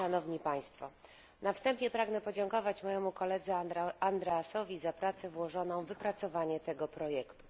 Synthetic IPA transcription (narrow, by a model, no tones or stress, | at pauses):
anɔvɲipaj̃st̪fɔ̰ | nafst̪ɛmpʲjɛpɾaɡnɛpɔd͡ʑɛŋkɔvat͡ɕmɔjɛmukɔlɛd̪zɛand̪ɾɛasɔvʲizapɾat̪sɛvwɔʐɔnɔ̃w̃vɘpɾat̪sɔvaɲɛt̪ɛɡɔpɾɔjɛkt̪u̥